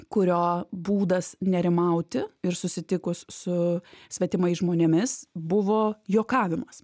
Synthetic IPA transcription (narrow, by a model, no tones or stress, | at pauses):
kʊɾʲoːbuːd̪ɐsnʲɛɾʲɪmɐʊt̪ʲɪɪɾsʊsʲɪt̪ʲɪkʊssʊsʲʋʲɛt̪ʲɪmɐɪʒmoːnʲeɛmʲɪsbʊʋoːjoːkɑːʋʲɪmɐs